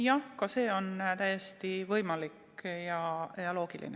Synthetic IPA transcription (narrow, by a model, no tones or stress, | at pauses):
jɑhkɑse̞ːo̞nt̪æjest̪ivɤjmɑlik | jɑjɑlo̞ːɡ̥ilḭne